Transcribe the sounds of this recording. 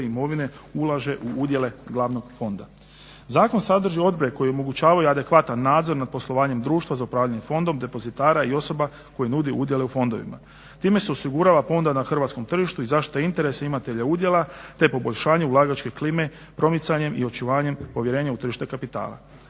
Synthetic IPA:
imo̞ʋine̞ulˠaʒe̞ʔuud̪je̞le̞ɡlˠaːʋno̞ɡfo̞nd̪a | zaːko̞nsad̪r̩ʒio̞d̪̚boɾekojio̞mo̞ɡut͡ʃaːʋajuad̪e̞kʋat̪anːaːd̪zo̞ɾnad̪̚po̞slˠo̞ʋaːɲe̞md̪ɾuːʃt̪ʋazaupɾaːʋʎaɲe̞fo̞nd̪o̞md̪e̞po̞zit̪aːɾaio̞so̞ba | ko̞jinud̪iʔud̪jeleufo̞nd̪o̞ʋḭma̰ | t̪iːme̞seo̞siɡuɾaːʋafo̞nd̪anaxr̩ʋat̪sko̞mt̪r̩ʒiʃt̪uizaʃt̪oeint̪e̞ɾe̞saimat̪e̞ʎaud̪je̞lat̪e̞po̞bo̞ʎʲʃaːɲe̞ulˠaːɡat͡ʃke̞kliːme̞ | pɾo̞mit̪saɲe̞mʔḭo̞t͡ʃuʋaːɲe̞mpo̞ʋje̞ɾe̞ːɲaut̪r̩ʒiʃt̪ekapit̪a̰ːlˠa̰

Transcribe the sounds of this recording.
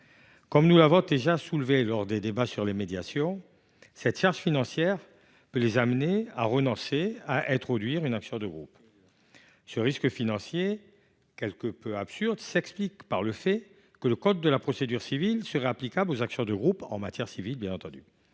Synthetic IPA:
kɔmnulavɔ̃d̪eʒasulvelɔʁd̪ed̪ebasyʁlemed̪jasjɔ̃ | sɛt̪ʃaʁʃfinɑ̃sjɛʁ | pølezamnea̰ʁənɔ̃seaʔɛ̃t̪χɔd̪ɥiʁynaksjɔ̃d̪əɡʁṵp | səʁiskəfinɑ̃sje | kʲɛlkəpøapsyʁd̪sɛksplikpaʁləfɛ | kələkɔd̪̚ːəlapχɔsed̪yʁsivilsəʁɛaplikablozaksjɔ̃d̪əɡʁupɑ̰̃mat̪jɛʁsivilbjɛ̃nɑ̃t̪ɑ̃d̪y̰

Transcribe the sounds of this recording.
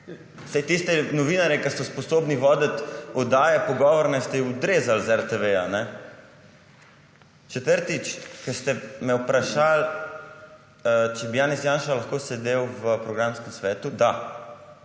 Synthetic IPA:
sajt̪ist̪ɛnɔʋiːnaɾjɛkɐsɔspɔsoːbniʋɔːd̪ət̪ɔd̪aːjɛpɔɡɔʋɔɾnɛst̪ɛjiud̪ɾeːzalzɛɾt̪eʋejanɛ | t͡ʃɛt̪əɾt̪it͡ʃkɐst̪ɛmɛwpɾaʃal | t͡ʃɛbijaːnɛsjanʃalaxkoːsɛd̪ewʋəpɾɔɡɾamskəmsʋɛːt̪ud̪a

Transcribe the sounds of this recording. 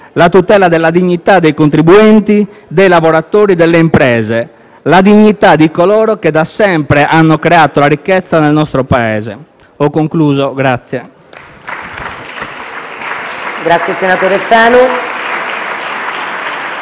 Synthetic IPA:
lat̪ut̪ɛːlad̪elːad̪iɲːit̪ad̪ːejkont̪ɾibuɛnt̪id̪ejlavoɾat̪oːɾid̪elːeimpɾɛːze | lad̪iɲːit̪ad̪ikolɔːɾoked̪ːasːɛmpɾeʔanːokɾeat̪olaɾikːɛt̪sːanelnɔst̪ɾopaɛ̰ːzḛ | ɔkːoŋkluːzoɡɾat̪sːjɛ | ɡɾat̪sːjesenat̪oːɾefaːnu

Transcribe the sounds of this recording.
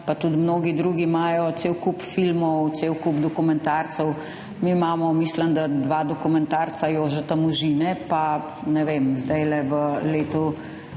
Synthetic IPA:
pat̪ut̪mnoːɡid̪ɾuːɡimaːjɔt̪seːwkupfilmɔwt̪seːwkubd̪ɔkumɛnt̪aɾt̪sɔw | mimamɔmislənd̪ad̪ʋaːd̪ɔkumɛnt̪aɾt̪sajoːʒɛt̪amuʒiːnɛpa | nɛʋemzd̪ajlɛʋəleːt̪u

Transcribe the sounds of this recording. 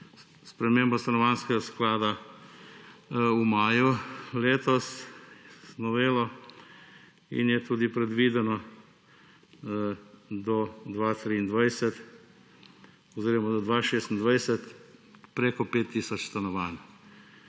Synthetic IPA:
spɾɛmeːmbɔst̪anɔʋanskɛɡasklaːd̪a | umaːjuleːt̪ɔs | nɔʋeːlɔ | ḭnjɛt̪uːd̪ipɾɛd̪ʋiːd̪ɛnɔ | d̪ɔd̪ʋaːt̪ɾiːnd̪ʋajsɛt̪ | ɔziːɾɔmad̪ɔd̪ʋaːʃeːst̪nd̪ʋajsɛt̪pɾeːkɔpeːt̪ːiːsɔt͡ʃst̪anɔʋan

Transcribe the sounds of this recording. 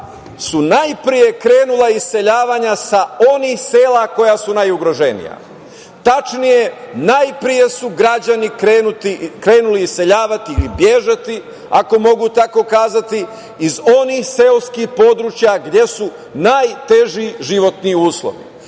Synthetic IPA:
sunajpɾije̞kɾe̞ːnulˠaise̞ʎaːʋaɲasao̞nixseːlako̞jasunajuɡɾo̞ʒe̞nḭja̰ | t̪at͡ʃnije̞najpɾije̞suɡɾad͡ʑanikenut̪ikɾe̞ːnuliːse̞ʎaːʋat̪iːbjeʒat̪i | ako̞mo̞ɡut̪ako̞kaːzat̪iː | zo̞nixselskixpo̞d̪ɾuːt͡ʃjaɡd̪je̞su | najt̪e̞ʒiʒiʋo̞t̪niuːslˠo̰ʋḭ

